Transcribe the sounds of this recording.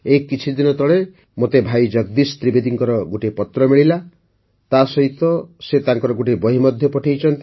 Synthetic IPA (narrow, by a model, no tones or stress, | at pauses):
ekːit͡ʃʰid̪inɔt̪ɔɭe | mot̪ebʱajd͡ʒɔɡd̪ist̪ɾibed̪iŋkɔɾɔɡuʈipɔt̪ɾɔmiɭila | t̪asɔɦit̪ɔset̪aŋkɔɾɔɡuʈibɔɦimɔd̪ʱjɔpɔʈʰejt͡ʃʰɔnt̪i